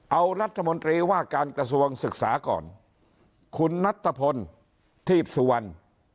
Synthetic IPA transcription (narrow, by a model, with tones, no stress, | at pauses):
ʔa˧wɾa˦˥t̪ʰːa˧mo˧nt̪ɾiː˧waː˥˩kaː˧nkɾa˧s̬u˧əŋsɯ˨˩k̚sa̰ː˩˦kɔ̰ː˨˩n | kʰu˧nːa˦˥t̪ʰːa˧pʰo˧n | t̪ʰiː˥˩p̚su˧wa˧n